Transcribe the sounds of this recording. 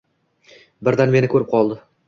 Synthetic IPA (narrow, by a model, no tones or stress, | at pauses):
bɪɾd̪anme̞nɪkʰɵɾɪp̚qʰɒlˠd̪ɪ